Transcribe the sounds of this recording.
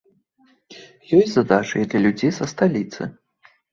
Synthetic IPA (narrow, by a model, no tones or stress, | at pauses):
jɔjzɐd̪at͡ʂɨ̰jɛd̪lʲɐlʲud͡zʲejsɐst̪alʲit̪sɨ̰